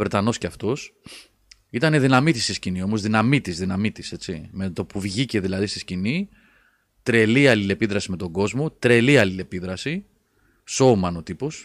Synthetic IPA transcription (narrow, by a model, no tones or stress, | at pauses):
vɾet̪ɐno̞sceɐft̪o̞s | it̪ɐneðinɐmit̪ist̪iscinio̞mo̞zðinɐmit̪izðinɐmit̪ise̞t͡sime̞t̪o̞puvʝice̞ðilɐðist̪iscini | t̪ɾe̞liɐlile̞piðɾɐsime̞t̪o̞ɡo̞zmo̞t̪ɾe̞liɐlile̞piðɾɐsi | so̞mɐno̞t̪ipo̞s